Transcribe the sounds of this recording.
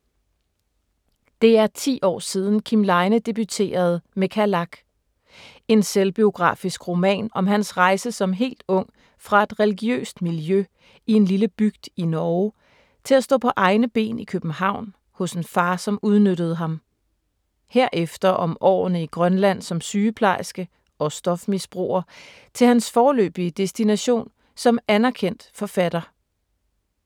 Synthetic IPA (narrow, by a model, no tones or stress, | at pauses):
d̥e̝æɐt͡sʰḭːɒ̰ːsið̞ˠn̩kʰimlɑ̈ɪnəd̥e̝b̥yt͡sʰe̝̰ːɐð̞ˠmekʰælɑ̈ɡ̥ | e̝nselb̥io̝ɡ̥ʁɑ̰̈ːfisɡ̥ʁo̝mɛ̰ːnɒ̽mɦænsʁɑ̈ɪsəsɒ̽mɦe̝̰ːld̥ɔ̽ŋ̰ | fʁɑ̈e̝d̥ʁɛliɡ̥iø̰ːsd̥miljø | ie̝nliləb̥yɡ̥d̥inɒʊ | t͡sʰe̝læsd̥ɔ̰ːpʰɒ̽ʔɑ̈ɪnəb̥e̝̰ːnikʰøb̥n̩hɑ̈ʊ̰n | hɔ̽se̝nfɑ̈ːsɒ̽muð̞ˠnøɾ̥əð̞̩ˠɦɑ̈m | heɐ̰ʔefd̥ɐʔɒ̽mʔɒ̰ːnəiɡ̥ʁɶnlæn̰sɒ̽msyːəpʰlɑ̈ɪsɡ̥ə | ɒ̽sd̥ɒ̽fmisb̥ʁo̝ːɐ | t͡sʰe̝lhænsfɒːlø̰ːb̥iəd̥e̝sd̥inæɕo̝̰ːn | sɒ̽mænæɐkʰen̰d̥fɒ̽fæd̥ɐ